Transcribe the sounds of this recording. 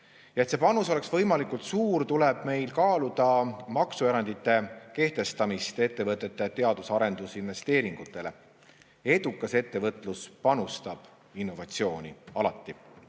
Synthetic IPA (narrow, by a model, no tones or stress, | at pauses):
jɑe̞t̪se̞pɑnuso̞le̞ksvɤ̞jmɑlikult̪suːɾt̪uleb̥me̞jlkɑːlud̪̥ɑmɑksue̞ɾɑnd̪̥it̪ˑːe̞ke̞ht̪e̞st̪ɑmist̪e̞t̪ːe̞vɤt̪ːˑe̞t̪ːˑet̪e̞ɑd̪̥usɑɾe̞nd̪usinve̞st̪e̞ːɾiŋɡ̥ut̪ːˑe̞le̞̰ | e̞d̪̥ukːˑɑse̞t̪ːe̞vɤt̪ːˑluspɑnust̪ɑb̥ | inːo̞vɑt̪sio̞ːnʲiɑlɑt̪ːˑi